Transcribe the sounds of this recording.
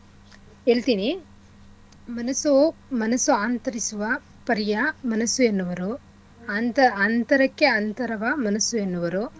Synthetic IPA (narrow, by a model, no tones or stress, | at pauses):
eːɭt̪iːni | mɐnɐsumɐnɐsuaːnt̪ɐɾisuʋɐ | pɐɾijɐmɐnɐsuenːuʋɐɾu | nt̪ɐant̪ɐɾɐkːeɐnt̪ɐɾɐʋɐmɐnɐsuenːuʋɐɾu